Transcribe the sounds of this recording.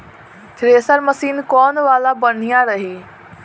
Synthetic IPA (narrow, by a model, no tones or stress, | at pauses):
t̪ʰɪɾeːsəɾmɐsiːnkɔːnʋaːlabɐɽ̤ijãɾɐɦeː